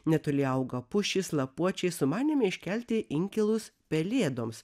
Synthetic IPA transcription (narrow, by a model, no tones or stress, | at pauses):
nʲɛt̪ʊlʲɪɐʊɡɐpʊʃʲɪslˠɐpuɔt͡ʃʲɛɪsʊmɑːnʲɪmʲɛɪʃʲkʲɛlʲt̪ʲɪʔɪŋʲkʲɛlˠʊspʲɛlʲeːd̪oːms